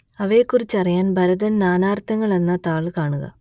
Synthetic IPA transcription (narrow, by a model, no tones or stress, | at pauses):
ɐʋe̞kːurit͡ɕːɐrijaːnbʱɐɾɐðɐnnaːnaːrt̪ɐŋːɐɭe̞nːɐt̪aːɭkaːɳuɣɐ̰